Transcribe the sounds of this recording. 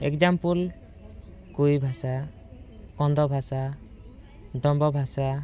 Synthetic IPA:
ekd͡ʒampul | kujbʱasa | kɔnd̪ɔbʱasa | ɖɔmbɔbʱasa

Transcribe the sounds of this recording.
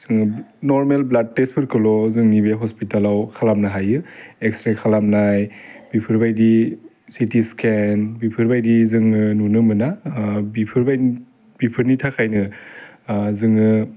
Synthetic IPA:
z̥ɯŋnɔɾmelblad̚tespʰɯɾkʰɯlɔzɯŋnibeɦɔspitalawkʰalamnaɦajɯekstɾekʰalamnajbipʰɯɾbajdi | sitiskʰenbipʰɯɾbajdizɯŋɯnunɯmɯnabipʰɯɾbaj | b̥ipʰɯɾnitʰakʰajnɯ | zɯŋɯ

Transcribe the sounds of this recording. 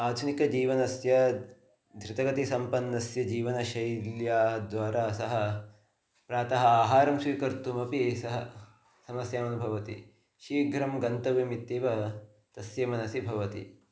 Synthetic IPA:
aːd̪ʱunikɐd͡ʒiːʋɐnɐsjɐ | d̪ʱɾɪt̪ɐɡɐt̪isɐmpɐnːɐsjɐd͡ʒiːʋɐnɐʃɐjljaːɦɐd̪ʋaːɾaːsɐɦɐ̆ | pɾaːt̪ɐɦɐaːɦaːɾɐmʃʋiːkɐɾt̪umɐpisɐɦɐ̰ | sɐmɐsjaːmɐnubʱɐʋɐt̪ḭ | ʃiːɡʱɾɐmɡɐnt̪ɐʋimit̪ːeːʋɐ | t̪ɐsjɐmɐnɐsibʱɐʋɐt̪ḭ

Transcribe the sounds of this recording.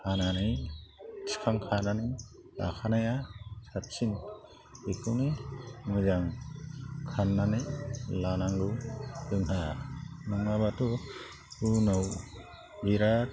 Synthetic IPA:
ananij | si̥kʰaŋkʰanani | a̰kʰanajasatsin | ikʰuwnemɯzaŋ | kʰanːanelanaŋɡɯɯŋɦanɔŋaβatu | unaw | ɡiɾa

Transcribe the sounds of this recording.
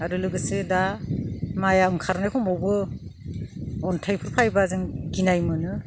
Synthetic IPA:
aɾɯlɯɡɯsɯda | majaɯŋkʰaɾnajkʰɔmɔwbɯ | ɔntʰajpʰɯɾpʰajbazɯŋɡinajmɯnɯ

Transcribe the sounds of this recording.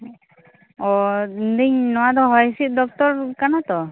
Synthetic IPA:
ɔnd̪iɲnɔwad̪ɔɦɔjsit̪̚ˀd̪ɔk̚t̪ɔɾkanat̪ɔ

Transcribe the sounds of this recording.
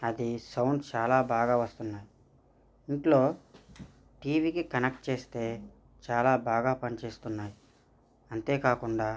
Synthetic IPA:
ɐd̪isɐwɳɖt͡ʃaːlaːbʱaːɡaːʋɐst̪unːaːji | iɳʈlo̞ː | ʈiːʋikikɐnek̚ʈ̚t͡ʃe̞ːst̪e̞ː | t͡ʃaːlaːbʱaːɡaːpɐnit͡ʃe̞ːst̪unːaːji | ɐnt̪e̞ːkaːkuɳɖaː

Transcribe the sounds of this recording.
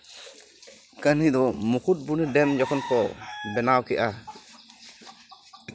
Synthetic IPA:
kanid̪ɔmukʰut̚bunidɛmd͡ʒɔkʰɔnkɔbɛnawkɛʔa

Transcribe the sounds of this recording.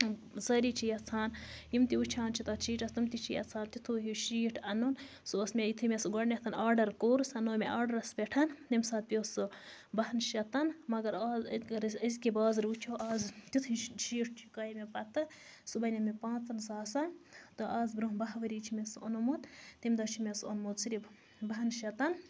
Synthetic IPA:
zɐːɾiːt͡ʃʰijɐt͡sʰaːnjimt̪iut͡ʃʰaːnt͡ʃʰit̪ɐt͡ʃʰiːʈɐst̪ɐmt̪it͡ʃʰijɐ̰t͡sʰaːnt̪it̪ʰuːɦiʃiːʈʰɐnon | sosmʲeit̪ʰɨmesɡɐɽnʲet̪ʰɐnaːɾɖɐɾkoːɾusɐnoːmeʔaːɾɖɐɾɐspeʈʰɐnt̪imsaːt̪̚pʲioːsɨ | bɐhɐnʃɐt̪ɐnmɐɡɐɾaːzɡɐɾɐzʲkibaːzɾuːt͡ʃʰoʔaːzt̪it̪ʰiʃiːʈʰt͡ʃʰi̥kaːjimepɐt̪ɨsubɐnʲɐmepãːt͡sɐnsaːsɐnt̪ɨʔaːzbɾoːɦbɐɦʋɐɾiːt͡ʃʰimesɐ̰nomut̪t̪imʲd̪ɐt͡ʃʰimʲeso̰nmot̪siɾʲi | bɐɦɐnʃɐt̪ɐn

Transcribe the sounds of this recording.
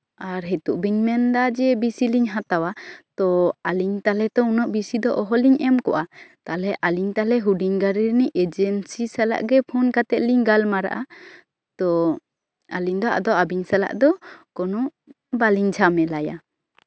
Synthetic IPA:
aɾɦɛt̪uʔbiɲmɛnd̪ad͡ʒɛbisiliɲɦat̪awat̪ɔaliɲt̪alɛt̪ɔunɔʔbisid̪ɔʔɔɦɔliɲɛmkɔʔat̪alɛʔaliɲt̪alɛɦuɖiɲɡaɾiɾniʔɛd͡ʒɛnsisala̰ʔɡɛpʰunkat̪ɛt̪̚liɲɡalmaɾa̰ʔa | t̪ɔ | aliɲd̪ɔʔa̰d̪ɔabiɲsala̰ʔd̪ɔkɔnɔʔ | baliɲd͡ʒʰamɛlaja

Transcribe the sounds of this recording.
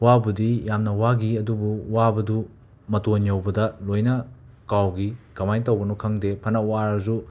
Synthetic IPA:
wabudijamnɐwaɡiɐdubuwabɐdu | mɐtonjɐwbɐdɐlojnɐ | kawɡikɐmajntɐwbɐnukʰɐŋdepʰɐnɐwaɾɐzu

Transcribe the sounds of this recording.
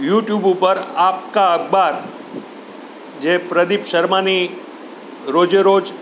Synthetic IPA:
juʈjubupəɾap̚kaəɡbaɾ | d͡ʒepɾəd̪ipʃəɾmani | ɾod͡ʒəɾod͡ʒ

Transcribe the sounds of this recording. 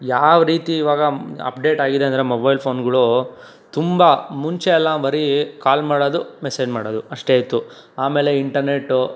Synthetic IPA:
jaːʋɾiːt̪iːʋaːɡɐɐ̰pɖe̞ːʈaːɡid̪eɐnd̪ɐɾemobɐjlpʰo̞ːnɡɐɭu | t̪umbɐmuɲt͡ʃeɛlːabɐɾikaːlmaːɽoːd̪umeseːd͡ʒmaːɽoːd̪uɐʂʈe̞ːjt̪ːu | aːmeːle̞iɳʈɐɾne̞ʈːu

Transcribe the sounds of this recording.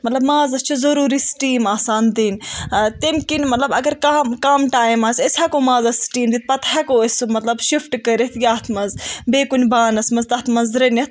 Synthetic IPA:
mɐt̪lɐbmaːzɐst͡ʃʰizɐɾuːɾisʈiːmaːsaːnd̪inʲt̪emkinmɐt̪lɐbɐɡɐɾkamkaːmʈaːjmaːsesakomãːzɐsʈiːmd̪it̪̚ʰpɐt̪ʰhakoesmɐt̪lɐbʃifʰʈkɐɾet̪ʰjʲaːt̪ʰmɐnzbeːkunʲbaːnɐsmɐzt̪ɐt̪ʰmɐnzɾɐnʲɐt̪ʰ

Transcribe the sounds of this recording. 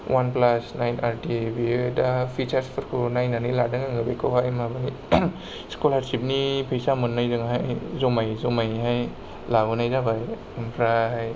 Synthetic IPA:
wanplasnajnaɾtibidapʰit͡ʃaɾspʰɯɾkʰunajnaniladɯŋaŋɯbekʰowɦajmabaŋi | skolaɾsip̚nipʰejsamɯnːajzɯŋɦajzomajzomajɦaj | labɯnajzabaj | umpʰɾaɦaj

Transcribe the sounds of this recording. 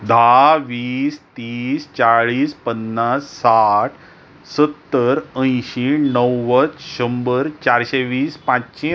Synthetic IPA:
d̪ʱaʋiːst̪iːst͡ɕaɭiːspənːasːaʈʰ | sət̪ːəɾə̃jɕenəwːət͡sɕəmbəɾt͡ɕaɾɕeʋiːspãt͡ɕɕĩ

